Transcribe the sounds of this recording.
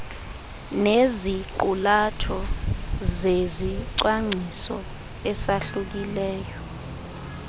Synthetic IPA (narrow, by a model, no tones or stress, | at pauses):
neziǃulatʰɔ | zeziǀwaŋ͡ǀʱisɔ̰ | ɛsaɬuk̬ilɛːjɔ